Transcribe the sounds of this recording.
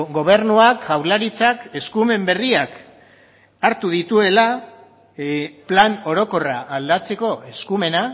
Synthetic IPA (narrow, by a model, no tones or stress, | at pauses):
ɡo̞β̞e̞ɾnuakʝawlaɾit͡sake̞skume̞mbe̞riak | aɾt̪uð̞it̪ue̞la | plano̞ɾo̞ko̞raʔːld̪at͡se̞ko̞e̞skume̞na